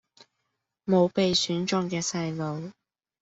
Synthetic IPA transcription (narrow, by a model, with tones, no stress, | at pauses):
mo˨˧wpe˨jsyː˨˥nt͡ʃʊ˧ŋkɛː˧sɐ˧jlo˨˧w